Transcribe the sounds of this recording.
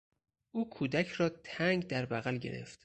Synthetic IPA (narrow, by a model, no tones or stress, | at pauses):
ʔuːkʰuːd̪æcʰrɒːt̪ʰæŋɡd̪æɾbæɣælɟe̞̰ɾe̞̰ft̪